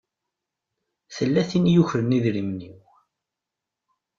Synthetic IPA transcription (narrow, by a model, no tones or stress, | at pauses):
θəlːæθinjuçɾəniðɾimniw